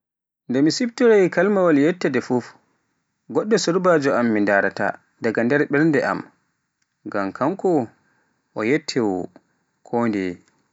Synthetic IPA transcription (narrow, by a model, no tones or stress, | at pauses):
ndɛmisibtɔɾajkalmawaljɛtːɛdɛfuf | ɡɔɗːɔsuɾbaːd͡ʒɔamːindaɾata̰ | daɡandɛɾɓɛɾndɛʔa̰m | ɡamkʰamkɔ | ʔɔjɛtʰːɛwɔ | kʰɔndɛ̰